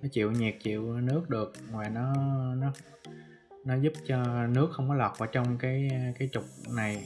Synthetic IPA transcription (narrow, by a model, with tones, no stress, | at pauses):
nɔ˨˦t͡ɕḭ˧˨wɲi˨˩k̚t͡ɕḭ˧˨əwnɨ˦˥ək̚ɗɨ˨˩ək̚ŋwaː˨˩nɔ˨˦nɔ˨˦ | nɔ˨˦zu˦˥p̚t͡ɕɔ˧nɨ˦˥ək̚xə˧wŋ͡mkɔ˨˦la˨˩k͡p̚ʔəː˧˩t͡ɕɔ˧wŋ͡mkaː˨˦jkaː˨˦jt͡ɕʊ˨˩k͡p̚na˨˩j